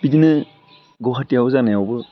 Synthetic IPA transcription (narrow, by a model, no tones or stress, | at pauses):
b̥idinɯ | ɡɔɦatijawzanajawbɯ